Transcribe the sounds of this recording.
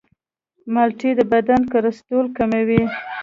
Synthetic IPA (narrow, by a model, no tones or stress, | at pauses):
malʈid̪əbad̪ankaɾast̪olkamawi